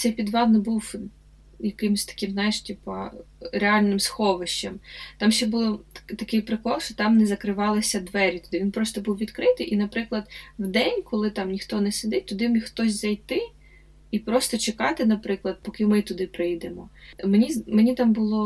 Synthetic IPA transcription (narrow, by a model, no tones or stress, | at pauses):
t̪sɛjpʲid̪ʋɑd̪nɔbuw | jɐkɪmsʲt̪ɐ̥kɪmznɑjɪʃtʲipɐɾeɑlʲnɪmsxɔʋɪʃt͡ʃɐmt̪ɑmʃɛbulˠɔt̪ɐkɪjpɾɪkɔlˠʃɔt̪ɑmnɛzɐkɾɪʋɑlˠɪsʲɐd̪ʋɛɾʲit̪ʊd̪ɪʋʲinpɾɔst̪ɔbuwʋʲid̪kɾɪt̪ɪjʔinɐpɾɪklˠɐd̪wd̪ɛnʲkɔlˠɪt̪ɑmnʲixt̪ɔnɛsʲɪd̪ɪt̚ʲt̪ʊd̪ɪmixt̪ɔsʲzɐjt̪ɪ | ipɾɔst̪ɔt͡ʃekɑt̪ɪnɐpɾɪklˠɐd̪̚pɔkɪmɪt̪ʊd̪ɪpɾɪjd̪emɔmenʲimenʲit̪ɑmbʊlˠɔ